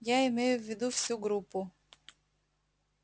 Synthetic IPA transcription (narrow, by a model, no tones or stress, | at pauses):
jaɪmɛjʊʋʲːɪd̪uwsʲuɡɾupʊ